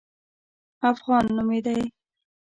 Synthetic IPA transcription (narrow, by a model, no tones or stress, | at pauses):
afɣɑnːumed̪aj